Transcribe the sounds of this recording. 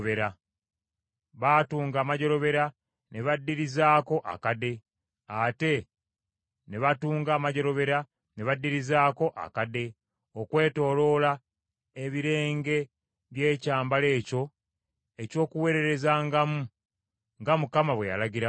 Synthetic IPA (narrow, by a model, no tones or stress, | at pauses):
βeɾa | βaːtuːŋɡaːmaɟo̞ɾo̞βe̞ɾa | ne̞βadːiɾizaːko̞ʔa̰kade̞ | ate̞ | ne̞βatuːŋɡaːmaɟo̞ɾo̞βe̞ɾa | ne̞βadːiɾizaːko̞ʔa̰kade̞ | okwe̞ːto̞ːlo̞la | eβiɾe̞ːŋɡe̞ | βje̞ːcaːmbale̞ːco̞ | e̞co̞ːkuwe̞ɾe̞ɾe̞zaːŋɡamu | ŋɡamukamaβwe̞ja̰laɟiɾa